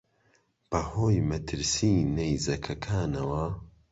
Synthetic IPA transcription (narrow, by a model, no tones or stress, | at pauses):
b̥ɐhoːjmɐt̪ʰɨɾsinejzɐkʰɐkʰaːnɐwɐ